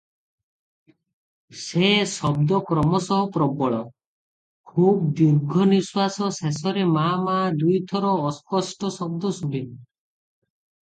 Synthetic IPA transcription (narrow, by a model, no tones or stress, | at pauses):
sesɔbd̪ɔkɾɔmɔsɔɦɔpɾɔbɔɭɔ | kʰub̚d̪uɾɡʱɔniswasɔsesɔɾemamad̪ujt̪ʰɔɾɔːskɔsʈɔsɔb̚d̪ɔsuɖin